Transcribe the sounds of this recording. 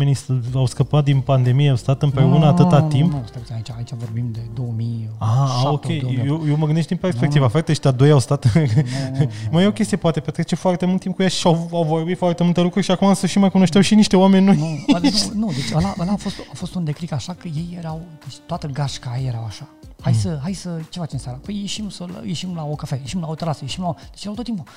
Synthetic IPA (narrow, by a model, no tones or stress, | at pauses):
enisawskəpat̪̚d̪inpand̪e̞mijeawst̪at̪ɨmpɾe̞unəat̪ɨt̪at̪impnust̪əait͡ʃait͡ʃavo̞rbimd̪e̞d̪owəmijaokʲejjjewjewməɡɨnd̪eʃt̪d̪inperspe̞kt̪ivaft̪eʃt̪ead̪o̞jawst̪at̪ | majeokʲest̪ijepoat̪epet̪ɾet͡ʃefoart̪e̞mult̪imp̚kujaʃawawvojifowart̪emult̪elukɾurʲʃiakumasəʃimajkuno̞ʃt̪awʃiniʃt̪e̞owamenʲːojnuunud̪et͡ʃʲəlaʔəlaːfo̞st̪afo̞st̪und̪e̞klikaʃakəje̞jːeɾawd̪et͡ʃʲt̪oat̪əɡaʃkajeɾawaʃahajsəɦajsət͡ʃe̞fat͡ʃemnsaɾapəjjeʃimsəl̰jeʃimlaokafejeʃimlaot̪əɾasəjeʃimlaod̪et͡ʃjɾawt̪ot̪impu